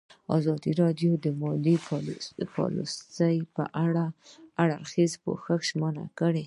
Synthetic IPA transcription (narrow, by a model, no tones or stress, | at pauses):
a̰zɑd̪iɾɑdjod̪əmɑli | pɑ̰lṵst̪ajpə̰ʔaɽaaɽaɾxizpo̰xəxʒməna̰kəɽe